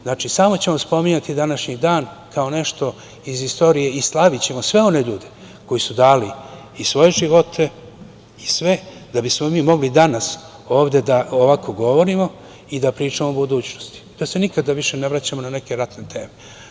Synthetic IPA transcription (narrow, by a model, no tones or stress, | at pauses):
znaːt͡ʃisaːmo̞t͡ɕe̞mo̞spo̞miɲat̪id̪anaʃɲid̪aːn | kao̞ne̞ʃt̪o̞ | izist̪o̞ɾije̞islˠaʋit͡ɕe̞mo̞sʋe̞o̞ne̞ʎuːd̪e̞ | ko̞jisud̪aːli | isʋo̞je̞ʒiʋo̞t̪ʰe̞ | isʋe̞d̪abismo̞miːmo̞ɡlid̪anas | o̞ːʋd̪e̞d̪aoʋako̞ɡo̞ʋo̞ɾimo̞ | id̪apɾiːt͡ʂamo̞obud̪uːt͡ɕno̥st̪i̥t̪ose̞nikad̪aʋiʃe̞ne̞ʋɾat͡ɕamo̞nane̞ke̞ɾat̪net̪e̞ːme